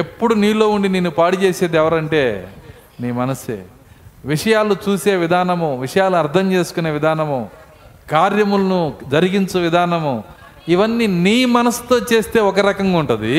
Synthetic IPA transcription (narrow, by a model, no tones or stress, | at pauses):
e̞pːuɽuniːlo̞ːuɳɖineːnːupaːɽit͡ʃeːseːd̪ɛʋɐɾɐɳʈe̞ː | niːmɐnɐsḛː | ʋiʂɐjaːlut͡ʃuːse̞ːʋid̪ʱaːnɐmuʋiʂɐjaːluuɐɾt̪ʰɐmt͡ʃe̞ːsu̥kune̞ːʋid̪ʱaːnɐmu | kaːɾjɐmulɐnud͡ʒɐɾiɡint͡ʃuʋid̪ʱaːnɐmu | iʋɐnːiniːmɐnɐst̪o̞ːt͡ʃe̞ːst̪e̞ːɔkɐɾɐkɐŋɡauɳʈund̪i